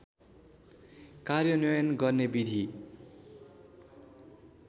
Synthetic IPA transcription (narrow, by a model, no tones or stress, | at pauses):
karjʌnʌjʌnɡʌrnebid̪ʱi